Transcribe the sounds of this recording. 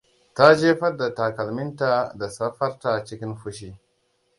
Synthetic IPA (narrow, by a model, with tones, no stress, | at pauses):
ta˦d͡ʒe˦fa˦ɾda˨ta˨ka˨lmi˦nta˦da˨sa˦fa˦ɾta˨t͡ʃi˦ki˦nfu˦ʃ̬i˦